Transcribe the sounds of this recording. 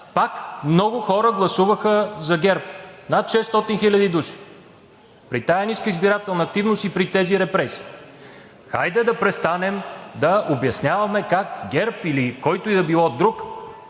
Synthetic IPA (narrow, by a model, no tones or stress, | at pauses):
pakmnɔɡʊxɔɾəɡlˠɐsuvəxəzɐɡʲɛɾp̚nat̪ʃɛst̪ɔt̪inxilʲɐd̪id̪uʃi̥ | pɾit̪ajɐniskəizbiɾat̪ɛlˠnɐːk̚t̪ivnost̪ipɾit̪ɛziɾɛpɾɛsi̥ː | xa̰jd̪ɛd̪ɐpɾɛst̪anɛmd̪ɐʔobjɐsnʲavɐmɛkakɡʲɛɾpilikɔjt̪ʊid̪ɐbilˠɔd̪ɾuk